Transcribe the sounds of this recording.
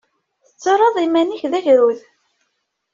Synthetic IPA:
θət͡sːəɾˤəðˤimæniçðæʝɾuð

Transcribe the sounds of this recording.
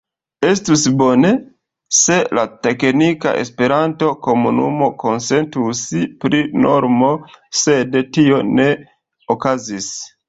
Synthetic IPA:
e̞stusbo̞ne̞ | se̞late̞knika̰ʔe̞̰spe̞ɾanto̞ko̞munṵmo̞ko̞nse̞ntuspɾino̞̰ɾmo̞se̞dtio̞ne̞ | okazis

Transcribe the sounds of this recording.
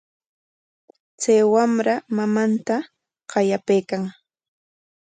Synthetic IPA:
t͡sajwamɾamamant̪a | qɑjapejkaŋ

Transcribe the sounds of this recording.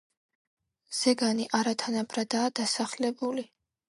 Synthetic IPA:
z̥ɛɡaniʔaɾat̪ʰanabɾad̪aːd̪asaχlɛbuli

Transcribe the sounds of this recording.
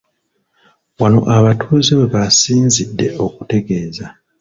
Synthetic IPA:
wano̞̰ʔaβatʰuːziwe̞βasiːnzidːe̞o̞ku̥te̞ɡe̞ːza

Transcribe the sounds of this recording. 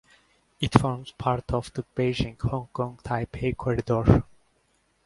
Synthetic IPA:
ɪtfɔɹmz̥pʰaɾtʰɔvd̪əb̥eɪd͡ʒɪ̃ŋhɔ̃ŋkɔ̃ŋɡt̪ʰaɪpekʰwaɾd̪ɔɹ

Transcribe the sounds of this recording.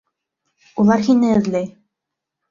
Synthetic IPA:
ulˠɑɾhinɘɘ̆ðlæj

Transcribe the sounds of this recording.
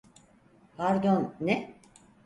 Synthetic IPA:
hʰaɾd̪onːɛ

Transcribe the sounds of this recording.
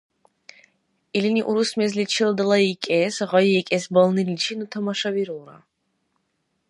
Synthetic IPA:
iliniʔuɾusmɛzlit͡ʃʰild̪lˠaikʼɛsʁɔjiɛkʼɛsbɔlˠnilit͡ʃʰinut̪ʰamaʃaviɾuɾa̰

